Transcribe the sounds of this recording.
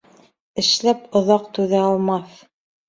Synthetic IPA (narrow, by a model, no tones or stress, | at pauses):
ɘ̆ʃlæpŏðɑqt̪ʉðæɑlˠmɑθ